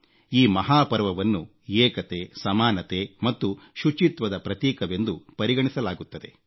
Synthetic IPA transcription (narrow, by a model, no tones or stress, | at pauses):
iːmɐɦaːpɐɾʋɐʋɐnːu | eːkɐt̪esɐmaːnɐt̪emɐt̪ːu | ʃut͡ʃit̪ʋɐd̪ɐpɾɐt̪iːkɐʋe̞nd̪upɐɾiɡɐɳisɐlaːɡut̪ːɐd̪e̞